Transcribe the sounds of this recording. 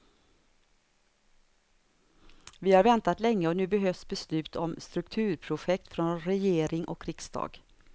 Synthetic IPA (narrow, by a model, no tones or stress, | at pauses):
vɪhaɾvɛnt̪at̪lɛŋːəɔnʉ̟ːbɛɦøːfsbɛslʉ̟ːt̪ʰɔmst̪ɾɵkt̪ʰʉ̟ːɾpʰɾʊɧɛk̚t̪fɾɔnɾɛjeːɾɪŋʔɔ̰kːɾɪksd̪ɑ̰ːɡ̥